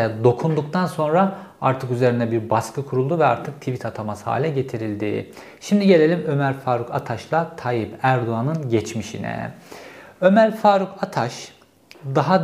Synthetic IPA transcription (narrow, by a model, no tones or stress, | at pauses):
d̪o̞kʰund̪ukt̪ʰanso̞nɾaa̰ɾt̪ʰɯkyze̞ɾind̪ɛbiɾbaskʰɯkʰuɾulˠd̪uvɛaɾt̪ʰɯk̚t̪ʰivit̪ʰat̪ʰamasɯ̥ha̰ːlʲɛɟe̞t̪ʰiɾilʲd̪ḭ | ʃimd̪iɟelʲe̞lʲimø̞mæɾfaːɾukʰa̰t̪ʰaʃlˠat̪ʰajipæɾd̪oanɯnɟɛt͡ʃmiʃḭnɛ̰ | ø̞mæɾfaːɾukʰat̪ʰaʃ | d̪aɦa